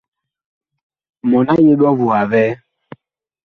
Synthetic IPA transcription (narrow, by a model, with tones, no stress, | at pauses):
mɔ˨na˦je˦ɗɔ˦vu˨a˨vɛ˦